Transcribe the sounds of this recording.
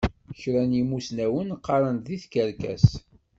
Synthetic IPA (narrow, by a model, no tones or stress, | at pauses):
çɾænimusnæwənqːɑɾˤənðiθkəɾkæ̰s